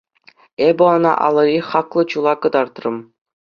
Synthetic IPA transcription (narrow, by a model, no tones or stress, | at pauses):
ebʲɘ̆ŏnɑ̰ʔɑ̰lˠɤ̆ɾʲiχɑklˠɤ̆t͡ɕulˠɑkɤ̆d̪ɑrt̪rɤ̆m